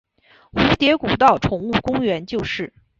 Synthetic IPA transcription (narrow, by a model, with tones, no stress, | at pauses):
xu˧˥t̪jɛ˧˥ku˨˩t̪ɑ˥˩ʊʈ͡ʂʰʊ˧˥ŋu˥˩kʊ˥ŋɥɛ˧˥nt͡ɕjo˥˧ʊʂɻ̩˥˩